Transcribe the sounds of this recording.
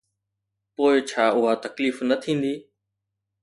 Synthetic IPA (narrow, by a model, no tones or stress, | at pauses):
poːɪt͡ʃʰaːʊɦat̪ɐkliːfnət̪ʰĩːn̆d̪iː